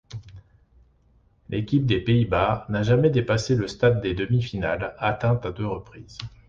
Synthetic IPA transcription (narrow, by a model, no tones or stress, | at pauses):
lʔekʲip̚d̪epeibanaʒamɛd̪epaseləst̪ad̪ːed̪əmifinalat̪ɛ̃t̪ad̪øʁəpχiːz